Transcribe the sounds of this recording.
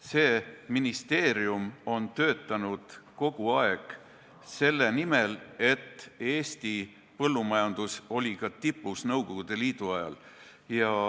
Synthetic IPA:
se̞ːminist̪e̞ːɾiumo̞nt̪ø̞ːt̪ːˑɑnud̪̥ko̞ɡ̥uɑe̞ɡ̥ | se̞lːe̞nime̞le̞t̪ːe̞ːst̪i | pɤlːumɑjɑnd̪̥uso̞lʲikɑt̪ipˑːusnɤwɡo̞ɡ̥ud̪̥e̞liːd̪̥uɑjɑ̰l | jɑ

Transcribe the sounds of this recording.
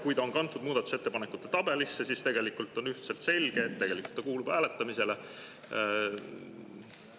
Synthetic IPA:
kujt̪ɑo̞nkɑnt̪ːˑud̪̚muːd̪̥ɑt̪ːˑu̥set̪ːepɑnekut̪ːˑe̞t̪ɑb̥e̞lisːesist̪e̞ɡ̥e̞likˑult̪ːˑo̞nyht̪se̞lt̪se̞lʲɡ̥e̞ːt̪ːe̞ɡ̥e̞likˑul̥t̪ːɑkuːlub̥hæːlet̪ːˑɑmise̞le

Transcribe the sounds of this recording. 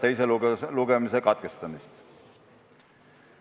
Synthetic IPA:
t̪ejs̬eluɡ̥e̞misekɑt̪̚ke̞st̪ɑmist̪

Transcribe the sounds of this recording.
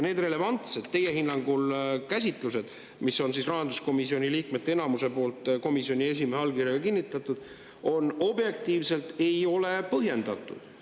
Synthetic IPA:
ne̞ːd̪re̞le̞vɑnt̪se̞d̪̥ːe̞jehinːɑŋɡ̥ulkæsʲit̪ˑluse̞d̪̥ | miso̞nsisrɑɦɑnd̪usko̞misio̞nʲiliːkme̞t̪ːeenɑmuse̞po̞ːlt̪ˑko̞misio̞nʲie̞s̬imeɦeɑlkirjɑɡɑkinːit̪ːˑɑt̪ːˑud̪̥ | o̞no̞bje̞k̚t̪iːvse̞lt̪e̞jo̞le̞pɤɦje̞nd̪̥ɑt̪ːˑṵd̪̥

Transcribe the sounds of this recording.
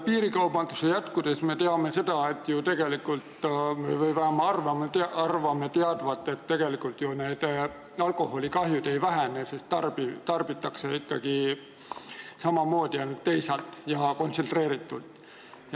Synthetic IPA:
piːɾikɑwb̥ɑnd̪̥usejæt̪kud̪̥e̞sme̞t̪eɑme̞se̞d̪̥ɑe̞t̪ːjut̪e̞ɡ̥e̞likːult̪mevejvæɑmɑɑrvɑmet̪ʔɑrvɑmet̪eɑd̪̥vɑt̪ːˑe̞t̪ːe̞ɡ̥e̞likult̪jone̞ːd̪̥ | ɑlkˑo̞ho̞lʲikɑɦjud̪̥e̞jvæɦænese̞st̪ːɑrbit̪ɑrb̥it̪ːˑɑkseikːɑ̰ɡ̥i | sɑmɑmo̞ːd̪̥iɑjnult̪ːejsɑlt̪ˑjɑko̞nt̪sent̪re̞ːɾit̪ːˑult̪ | j

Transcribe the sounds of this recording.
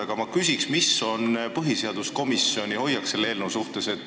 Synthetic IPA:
ɑɡ̥ɑmɑkysʲiksmisːo̞npɤɦise̞ɑd̪̥usko̞misːio̞nʲiho̞jːɑkse̞lːe̞ːlnuwsuht̪e̞se̞t̪ːˑ

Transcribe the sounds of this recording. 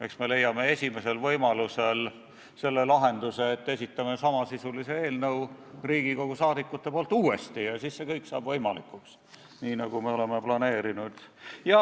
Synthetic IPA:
e̞ksme̞le̞jːɑme̞e̞sʲime̞se̞lvɤjmɑluse̞l | se̞lːe̞lɑɦe̞nd̪̥use̞ːt̪ːe̞s̬ʲit̪ːˑɑme̞sɑmɑsisulise̞e̞ːlnɤw | riːɡ̥iko̞ɡ̥usɑːd̪ikːˑut̪ːe̞poːlt̪ːˑuːe̞st̪ijɑsisːe̞kɤjksɑ̰ːb̥vɤjmɑlikːˑuks | niːnɑɡ̥umeo̞le̞me̞plɑne̞ːɾinud̪̥jɑ

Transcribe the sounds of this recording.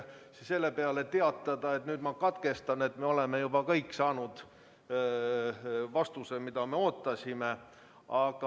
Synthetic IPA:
sse̞lːe̞pe̞ɑle̞t̪e̞ɑt̪ːˑɑd̪̥ɑet̪nyːd̪mɑkɑt̪ke̞st̪ɑne̞t̪ːme̞o̞le̞me̞jub̥ɑkɤjkːsɑːnud̪̥ | vɑst̪usemid̪̥ɑme̞o̞ːt̪ˑːɑsʲime | ɑɡ̥ɑ

